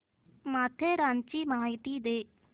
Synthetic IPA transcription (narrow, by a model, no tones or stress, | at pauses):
maːt̪ʰeːɾaːnt͡ʃiːmaɦaːit̪iːd̪eː